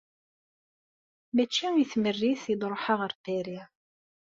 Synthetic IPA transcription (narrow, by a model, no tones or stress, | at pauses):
mæt͡ʃːiiθmərːiθid̪ˤɾˤoħaʁəɾpæɾi